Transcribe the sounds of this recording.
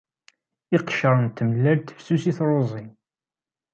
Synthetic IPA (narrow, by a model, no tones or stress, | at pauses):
ɪqʃəɾˤənt̪ːəməlːælt̪ə̥fsusiθɾˤozˤin